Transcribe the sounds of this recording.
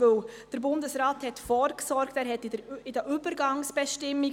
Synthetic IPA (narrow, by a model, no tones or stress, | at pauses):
ɵwd̥əɾbʊndəsɾaːthɛtfɔɾksɔɾktæːɾhɛtɪdəʔʏbəɾɡɑŋsb̥ɛʃtɪmːi